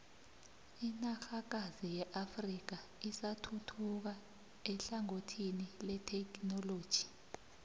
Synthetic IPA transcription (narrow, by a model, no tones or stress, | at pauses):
inaxak̬azijɛʔafrik̬aisatʰutʰuk̬a | ɛɬaŋotʰinilɛtʰɛknɔloːd̥ʒ̥ʱi̥